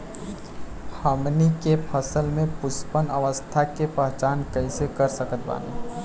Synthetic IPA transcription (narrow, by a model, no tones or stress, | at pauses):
həmnikepʰəsəlmẽpʊspənəʋəst̪ʰakepəɦt͡ʃaːnkɐĩsekəɾsəkət̪̚ba̰ːnḭ